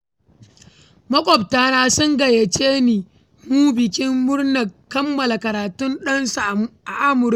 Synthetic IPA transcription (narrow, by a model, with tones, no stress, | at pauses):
mɐ˦kʷʼɔ˨b̚taː˦naː˦sʊ˦ŋɡɐ˨je˨t͡ʃeː˦niː˨ | muː˦bɪ˨kʲɪ˦mːʊ˦rna˨kːɐ˦mːɐ˨la˨kɐ˨ɾaː˨tʊ˦nɗɐ˦nsa˨ʔa˨ʔa˦mʊ˨ɾ